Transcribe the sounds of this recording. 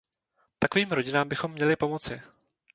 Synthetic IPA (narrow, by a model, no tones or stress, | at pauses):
t̪akoviːmɾo̞ɟɪnaːmbɪxo̞mːɲɛlɪpo̞mo̞t͡sɪ